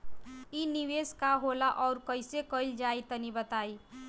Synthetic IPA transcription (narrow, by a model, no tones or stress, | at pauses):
iniʋeskaɦolaʔɔːɾkəɪsekəild͡ʒait̪ənibət̪ai